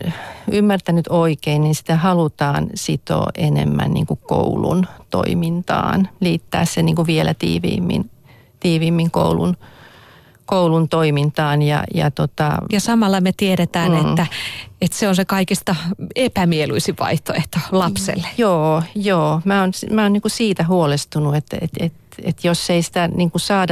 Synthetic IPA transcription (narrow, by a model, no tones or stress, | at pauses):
ymːært̪ænyt̪oikeinninsi̥t̪æhɑlut̪ɑːnsit̪o̰ʔenḛmːæ̰nnḭːŋkukko̰ulṵnt̪o̰imint̪ɑ̰ːnliːt̪ːæ̰ːssenniːŋkuʋielæt̪ḭːʋḭːmːḭn | t̪iːʋiːmːiŋko̰ulṵn | koulunt̪oimint̪ɑːnjɑ̰jɑ̰t̪ot̪ɑ̰jɑsɑmɑlːɑmet̪ieɾet̪æːnet̪ːæet̪seonsekɑikist̪ɑepæmieluisiʋɑ̰iht̪o̰eht̪olɑpsḛlːe̥joːjoːmæːonsmæonniːŋkusiːt̪æhuolest̪unuet̪ḛt̪et̪ | ḛt̪josːeisĭ̥t̪æniŋkusɑːdɑ